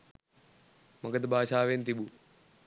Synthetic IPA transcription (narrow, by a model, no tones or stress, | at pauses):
mɐɡɐd̪bʱaːʃaːʋeːnt̪ibu